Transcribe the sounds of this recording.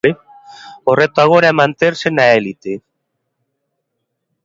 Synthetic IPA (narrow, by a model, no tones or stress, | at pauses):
e | oret̪oaɣoɾamant̪ersenaelit̪e